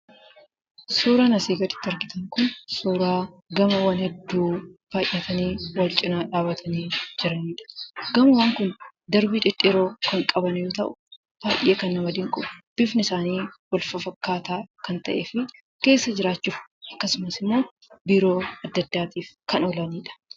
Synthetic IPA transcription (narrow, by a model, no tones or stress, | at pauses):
suːɾaːnɐsiːɡɐt̪ɪ̥t̪ːɐɾɡɪt̪ɐŋkʊnsuːɾaːɡɐmɐwaːnhɛd̪ːuːb̥aːjːɐt̪ʰɐniːwɐlt͡ʃʼɪnaːᶑaːbɐt̪ʰɐniːd͡ʒɪɾɐniːᶑɐ̥ɡ̥ɐmɐwaːŋkʊnd̪ɐɾbiːᶑɪᶑʼːɪɾo̞ːkɐŋkʼɐbɐnjoːt̪ɐʔʊ̥ | b̥aːjʔeːkɐnːɐmɐd̪ɪŋkʼʊb̥ɪfnɪsaːniːwɐlfɐfɐkːaːt̪aːkɐnt̪ɐ̰ʔeːfɪ | ke̞ːsːɐd͡ʒɪɾaːt͡ʃːuːfʔɐkːɐsʊmɐsɪmːo̞ː | biːɾo̞ːɐd̪ːɐd̪ːaːt̪iːfkɐnɔlɐniːᶑɐ̥